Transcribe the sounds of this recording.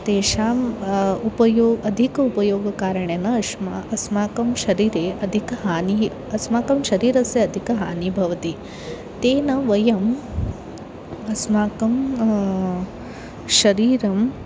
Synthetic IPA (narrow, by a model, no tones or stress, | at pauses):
t̪eːʃaːmupɐjoːɡɐd̪ʱikɐupɐjoːɡɐkaːɾɐɳenɐɐʂmaɐsmaːkɐmʃɐɾiːɾeːʔɐd̪ʱikɐɦaːni | ɐsmaːkɐmʃɐɾiːɾɐseɐd̪ʱikɐɦaːnibʱɐʋɐt̪i | t̪eːnɐʋɐjɐm | ɐsmaːkɐm | ʃɐɾiːɾɐm